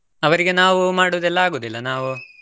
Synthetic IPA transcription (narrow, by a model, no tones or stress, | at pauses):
ɐʋɐɾiɡe̞naːʋumaːɽuʋɐd̪ɛlːɐaːɡuːd̪ilːɐnaːʋu